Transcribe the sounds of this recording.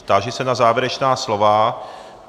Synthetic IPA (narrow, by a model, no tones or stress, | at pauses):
t̪aʒɛsɛnazaːvjɛɾɛt͡ʃnaːslova